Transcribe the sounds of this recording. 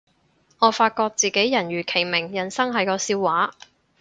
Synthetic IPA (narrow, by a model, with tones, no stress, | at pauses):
ŋɔː˨˧faː˧t̚kɔː˧k̚t͡siː˨˩ke˨˥jjɐ˨˩nɥyː˨˩kʰe˨˩jmɪ˨˩ŋjɐ˨˩nsɐ˥ŋɦɐ˨jkɔː˧siː˧wwːaː˨˥